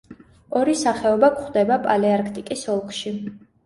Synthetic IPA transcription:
ɔɾisaχɛɔbakʰχwd̪ɛbapʼaliaɾkʰt̪ʼikʼisɔlˠkʰʼʃi

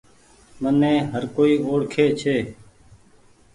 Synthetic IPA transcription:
mənːẽːɦəɾkoːiːoːɽkʰeːt͡ʃʰeː

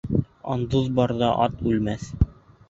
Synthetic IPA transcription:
ɑ̰nd̪ɤðbɑɾðɑʔɑt̪ʉlmæθ

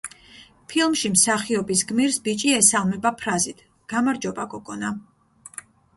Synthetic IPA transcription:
pʰilˠmʃimsaχiɔbisɡmiɾsbit͡ʃʼiɛsalˠmɛbapʰɾazit̪ʰ | ɡ̥amaɾd͡ʒɔbakʼɔkʼɔna

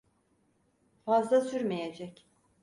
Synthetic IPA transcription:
fazlˠasyɾmejed͡ʒɛc

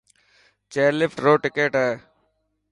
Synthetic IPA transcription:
t͡ʃeːɾlɪfʈɾoːʈɪkeːʈɦɛː

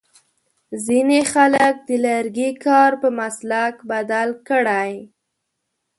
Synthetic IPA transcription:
zinexalək̚d̪əlaɾɡikɑɾpəmaslakbad̪alkəɽaj

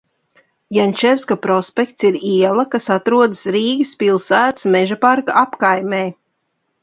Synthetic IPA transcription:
janʲt͡ʃɛwskapɾɔspʲɛkt̪siɾiɛlˠɐkasat̪ɾuɔd̪ɨsɾiːɡɨspʲilˠsæːt̪smɛʒapaɾkaʔapkajmeː

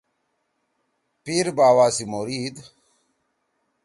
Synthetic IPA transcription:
piɾbaːwaːsimoɾiːd̪

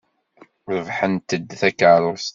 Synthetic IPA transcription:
ɾəvħənt̪əd̪θækːʕlʊɾst̪

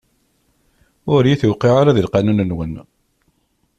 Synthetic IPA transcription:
ʊɾjiθuwqiʕaɾaðilqanunənwən

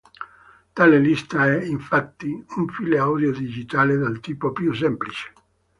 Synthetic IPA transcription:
t̪aːlelist̪aɛiɱfat̪ːiuɱfileawd̪jod̪id͡ʒit̪aːled̪alt̪iːpopjus̬ɛmplit͡ʃe̥

